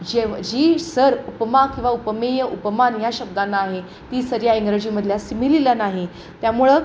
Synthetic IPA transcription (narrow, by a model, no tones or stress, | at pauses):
d͡ʑed͡ʑisəɾupəmakĩw̃ʋaupmejəʔupəmanjaɕəb̚d̪anːaːɦe | t̪iːsəɾjaiŋɡɾəd͡ʑiməd̪ʱljasimililanaɦi | t̪jamuɭə